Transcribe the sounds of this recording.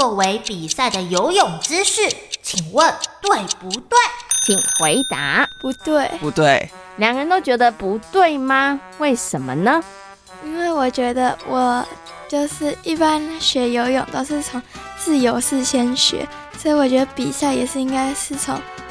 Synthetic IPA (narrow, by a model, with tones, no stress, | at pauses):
t͡swɔ˥˩we˧˥ɪpi˨˩sa˥˩ɪd̪ə˩jo˧˥ʊjʊ˨˩ŋʈ͡ʂɻ̩˥ʂɻ̩˥˩t͡ɕʰi˨˩ŋwə˥˧nt̪we˥˩ɪpu˧˥t̪wa˥˩ɪt͡ɕʰi˨˩ŋxwe˧˥ɪt̪a̰˧˦pu˧˥t̪we˥˩ɪu˧˦t̪we˥˩ɪ | ljɑ˨˩ŋɻə˧˥nt̪o˥ʊt͡ɕɥɛ˧˥d̪ə˧pu˧˥t̪we˥˩ɪma˧we˥˩ɪʂə˧˦nmə˧nə˧ | i˥nwe˥˩ɪwɔ˨˩t͡ɕɥɛ˧˥d̪ə˧wʔɔ˨˩ | t͡ɕjo˥˧ʊʂɻ̩˥˩i˥˩pa˥nɕɥɛ˧˥jo˧˥ʊjʊ̰˨˩ŋd̪ə˧ʂɻ̩˥˩ʈ͡ʂʰɑ˧˥˦ŋt͡sɹ̩˥˩jo˧˥ʊʂɻ̩˥˧ɕjɛ˥nɕɥɛ̰˧˥ | so˧˥i˧˥wɔ˨˩t͡ɕɥɛ˧˥d̪ə˧pi˨˩sa˥˩ɪjɛ̰˨˩ʂɻ̩˥˩˧i˥ŋka˥ɪʂɻ̩˥˩ʈ͡ʂʰɑ̰˧˥˦ŋ